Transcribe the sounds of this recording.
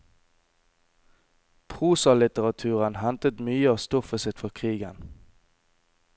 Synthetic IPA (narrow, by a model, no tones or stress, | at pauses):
pʰʁuːsɑlɪt̪əʁɑt̪ʰʉːʁənhɛnt̪ət̪myːəɑːʋst̪ɔfəsɪt̪fɔʁkʰʁiːɡən